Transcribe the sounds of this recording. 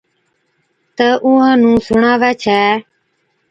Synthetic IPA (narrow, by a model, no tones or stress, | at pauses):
t̪əʔʊɦãːnũːsʊɳaːʋɛːt͡ʃʰɛː